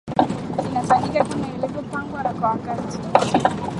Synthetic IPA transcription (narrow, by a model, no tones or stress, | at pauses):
inafaɲikakunaɛlɛvupaŋɡwaɾakwawakatitiwaaɔ